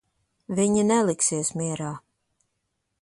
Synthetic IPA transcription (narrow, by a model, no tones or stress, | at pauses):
viɲinɛlˠiksiɛsmʲiɛɾaː